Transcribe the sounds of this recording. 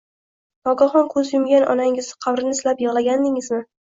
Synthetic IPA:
nɒɡaχɒnkʰɵzjʊmɡʲanɒ̰naŋɪzqʰɑbɾɪnɪslapjɨʁlˠaɡʲand̪ɪŋɪzmɪ

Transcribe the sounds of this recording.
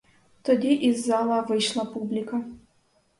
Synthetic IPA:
t̪ʰɔd̪iʔizːaːlˠɐvɨʃlˠɐpʰublʲikʰɐ

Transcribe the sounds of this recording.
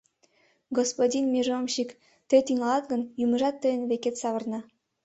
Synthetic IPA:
ɡospodʲinmʲiʒomʃik | t̪et̪iŋɑlˠɑt̪ɡə̆njumə̆ʒɑt̪ːɤjənβeket̪sɑβə̆rnɑ

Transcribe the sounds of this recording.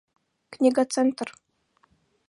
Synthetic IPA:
knʲiɡat̪t͡sɛnt̪r

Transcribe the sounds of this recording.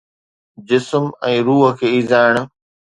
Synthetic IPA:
d͡ʑɪsmɛ̃ːɾuːɦə̆kʰeːiːzaːɪɽ̃̆

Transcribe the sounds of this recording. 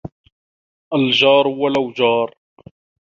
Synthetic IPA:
ʔald͡ʒɑːɾˤwalawd͡ʒɑːɾˤ

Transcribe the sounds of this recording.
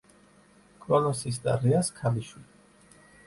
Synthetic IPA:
kʼɾɔnɔsis̬d̪a̰ɾɛaskʰaliʃwili

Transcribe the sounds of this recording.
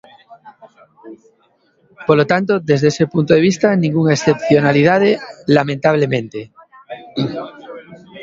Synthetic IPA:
poɾlot̪ant̪oðezðeesepunt̪oðe̞β̞ist̪anĩŋɡuŋaesθepθjonaliðað̞elamẽnt̪aβ̞lemẽnt̪e

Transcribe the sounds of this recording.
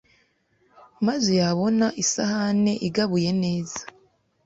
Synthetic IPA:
mazojaβo̞naʔisahane̞ʔiɡaβuje̞ne̞ːzḁ

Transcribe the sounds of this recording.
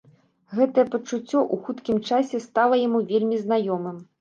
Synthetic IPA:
ɣɛt̪ɐjɛpɐt͡ʂut͡sʲːɔʔuxut̪kʲimt͡ʂasʲɛst̪alˠɐjamuvʲelʲmʲiznajɔmɨm

